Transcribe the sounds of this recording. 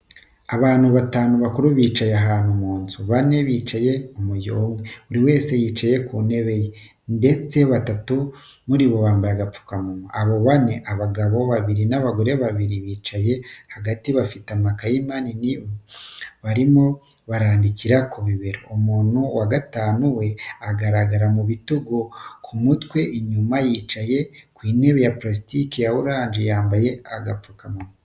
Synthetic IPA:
aβaːnhuβataːnuβakuɾuβiːt͡ʃajaɦaːnhumuːnzuβane̞βiːt͡ʃaje̞umujomɡeuɾiwe̞ːse̞jiːt͡ʃaje̞kune̞βe̞je | nde̞t͡se̞βatatu | muɾiβo̞βaːmbajaɡap͡fu̥kamumoaβo̞βane̞ʔaβaɡaβo̞βaβiɾinaβaɡoɾe̞βaβiɾiβiːt͡ʃaje̞haɡatiβafitamakajimanini | βaɾimo̞ | βaɾaːndiciɾakuβiβeɾoumuːn̥huwaɡataːnuwe̞aɡaɾaɡaɾamuβituɡokʰumutwe̞ʔiɲumajiːt͡ʃaje̞kwiːne̞ːβejaplas̬itikijawuɾaːnd͡ʒejaːmbaje̞aɡap͡fukamumo

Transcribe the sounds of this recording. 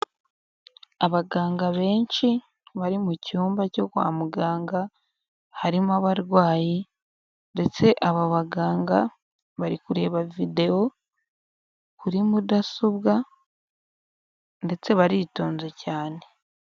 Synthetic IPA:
aβaɡaːŋɡaβe̞ːnʃi | βaɾimucuːmbaco̞kwa̰ːmuɡaːŋɡa | haɾimaβaɾɡwaːji | nde̞t͡se̞ʔaβaβaɡaːŋɡa̰ | βaɾikuɾe̞ːβavide̞o̞ | kuɾimudasuβɡa | nde̞t͡se̞βaɾito̞ːnzecaːne̞

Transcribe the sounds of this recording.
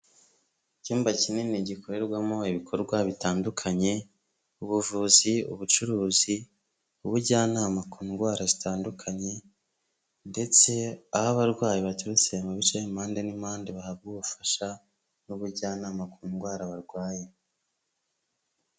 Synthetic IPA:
cuːmbacininiɟikʰoɾe̞ɾɡwamo̞iβikʰo̞ɾɡwaβitaːndukʰaɲe̞ | uβuvuziṵβut͡ʃuɾuːzi | uβuɾɟaːnaːmakuːŋɡwaːɾazitaːndukʰaɲe̞ | nde̞t͡se̞ahaβaɾɡwaːjiβatuɾut͡sijemuβit͡ʃejimaːndenimaːndeβahaβɡuβufḁʃa | nuβuɾɟaːnaːmakuːŋɡwaːɾaβaɾɡwaːje

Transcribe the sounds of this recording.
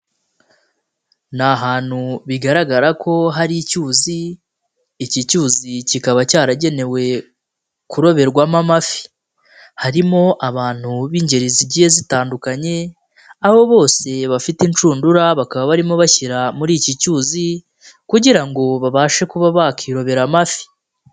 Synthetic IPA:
naɦaːn̥huβiɡaɾaɡaɾakʰo̞ɦaɾicuːziː | cicuːzicikaβacaːɾaɟe̞ne̞we̞ | kuɾo̞βe̞ɾɡwamamafi̥ | haɾimo̞ʔaβaːn̥huβiːɲɟe̞ɾiziɟije̞zitaːndukaɲe̞ | aβo̞βo̞ːse̞βafitint͡ʃuːnduɾaβakaβaβaɾimo̞βaçiɾamuɾiːcicuːzi | kuɟiɾaŋɡo̞βaβaːʃe̞kuβaβakʰiɾo̞βe̞ɾamafi̥

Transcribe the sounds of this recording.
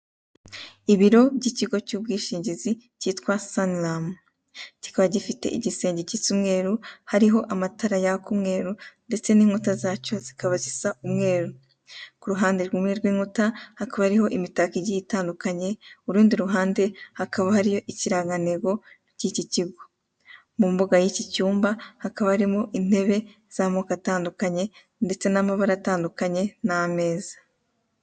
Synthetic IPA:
iβiɾo̞bɟiciɡo̞cuːb̚ɡiːʃiːɲɟizi | ciːtkwasanlam | ci̥kaβaɟifite̞̰ʔiɟise̞ːɲɟecit͡sumŋe̞ːɾuhaɾiɦo̞ʔamataɾajakumŋe̞ːɾunde̞t͡se̞niːŋ̥utazaːco̞z̥i̥kaβazisaumŋe̞ːɾu | kuɾuɦaːnde̞ɾɡuːmŋe̞ɾɡwiːŋ̥hutahakaβahaɾiho̞ʔimitakiɟijitaːndukaɲe̞uɾuːndiɾuɦaːnde̞hakaβahaɾijo̞ʔiciɾaːɡaniɡo̞ | ciciciɡo | mumbuɡajicicuːmbahakaβahaɾimoʔin̥he̞βe̞ | z̥amoːkataːndukaɲe̞ | nde̞t͡se̞namaβaɾataːndukaɲe̞name̞ːzḁ

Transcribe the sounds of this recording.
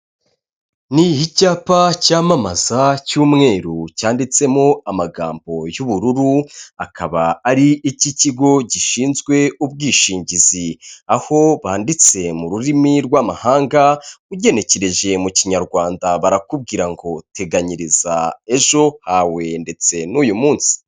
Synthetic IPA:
nihicaːpacaːmamaz̥acuːmŋe̞ːɾucaːndit͡se̞mo̞amaɡa̰ːmbo̞juβuɾuɾuakʰaβaaɾiʔiciciɡo̞ɟiʃiːnzɡwe̞ub̚ɡiːʃiːɲɟiziaho̞βaːndit͡se̞muɾuɾimiɾɡwaːmahaːŋɡauɟe̞ne̞ceɾe̞ʒe̞muciɲaɾɡwaːndaβaɾakub̚ɡiːɾaŋɡo̞tʰe̞ɡaɲiɾiz̥a̰e̞ʒo̞hawe̞nde̞t͡se̞nujumuːnsi̥

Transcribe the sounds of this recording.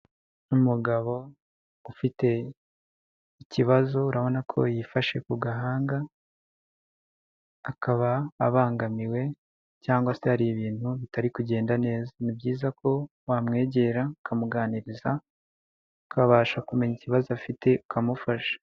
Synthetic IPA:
umuɡaβo̞ | ufite̞ | iciβazo̞uɾaβo̞nakʰo̞̰jifaʃe̞kuɡaɦaːŋɡa | kaβaːβaːŋɡamiwe̞ | caːŋɡwase̞haɾiβiːnhuβitaɾikuɟe̞ːndane̞ːzanibɟiːzakʰo̞ | waːmŋe̞ːɟe̞ɾaukamuɡaːniɾiza | ukʰaβaːʃakume̞ɲiciβazoafitʰe̞ukʰamufaʃḁ

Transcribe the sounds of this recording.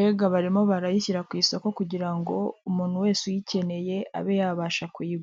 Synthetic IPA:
eɡaβaɾimo̞βaɾajiciɾakwiːsako̞kuɟiɾaŋɡo̞̰umuːn̥huwe̞ːsujice̞ne̞je̞a̰βe̞jaβaːʃakwiːɡ

